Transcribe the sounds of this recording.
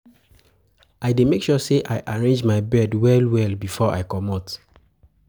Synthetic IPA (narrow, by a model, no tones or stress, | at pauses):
aɪdemekʃuseʔajʔaɹẽnd͡ʒmaɪbɛdwɛlwɛlbifɔʔa̰jkɔmɔt